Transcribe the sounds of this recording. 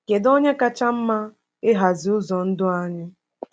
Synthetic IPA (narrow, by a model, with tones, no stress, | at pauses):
ke˨do˦ɲe˦ka˦t͡ʃa˦m̩˦ma˦ | ɪ˦ɦa˨zi˨ʊ˦zɔ˨n̩˦dʊ˦a˦ɲɪ˦